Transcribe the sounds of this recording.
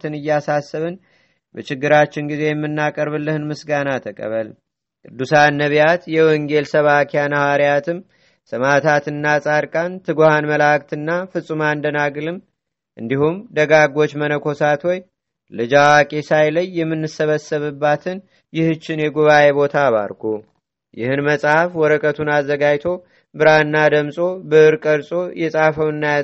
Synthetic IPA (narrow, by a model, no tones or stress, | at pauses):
t̪ʰɨnɨjːasasːəβɨn | bət͡ʃɪɡːɨɾat͡ʃːɪnɡize̞jɛmːɨnːakʼəɾβɨlːɨhɨnmɨsɡanat̪ʰəkʼə̰βəl | kʼɨd̪ːusanːəβjat̪jɛwɔŋɡe̞lsəβakʰejanəhaɾijat̪ʰɨm | sɨmat̪ʰat̪ɨnːasʼaɾkʼant̪ʰɨɡohanməlak̚t̪ɨnːafɨsʼumand̪ənaɡɨlɨm | ʔɨnd̪ihumd̪əɡaɡo̞t͡ʃːmənəkʰo̞sat̪woj | lɨd͡ʒawakʼesajləjːɛmːɨnːɨsəβəsːəβɨbːat̪ʰɨn | jɪhɨt͡ʃːɪnjɛɡuβaje̞βo̞t̪ʰaβa̰ɾkʰu | jɪ̰hɨnməsʼhafwɔɾəkʼət̪ʰunazːəɡajt̪ʰo̞ | bɨɾaɨnːad̪əmsʼo̞bɨʔɨɾkʼəɾsʼo̞jɛsʼafəwɨnːaj